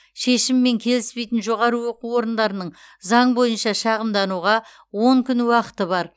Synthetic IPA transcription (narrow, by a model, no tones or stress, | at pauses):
ʃe̞ʃɪmːe̞ŋkʲʰe̞lɪspe̞jt̪ɪnʒo̞ʁɑɾəwo̞quo̞ɾənd̪ɑɾənəɴ | zɑɴbo̞jənʃɑʃɑʁəmd̪ɑnuʁɑ | wo̞ŋkʲʰʏnwɑqə̥t̪əbɑɾ